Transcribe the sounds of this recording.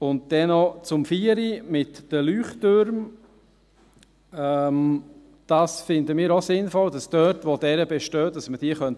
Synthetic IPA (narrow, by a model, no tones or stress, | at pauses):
ʊnt̚d̥ɛnɔt͡sʊmfiːəɾimɪtd̥əlyːχtøɾm | ɛm | d̥ɑːsfɪndəmiːɾosɪnfɔldɑsd̥œtʋodɛɾəbɛʃtøːd̥ɑsməd̥iːəχœnt